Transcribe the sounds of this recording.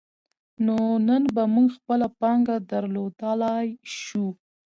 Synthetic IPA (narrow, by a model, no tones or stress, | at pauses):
nonənbamuŋɡxpəlapaŋɡad̪aɾlod̪əlajʃu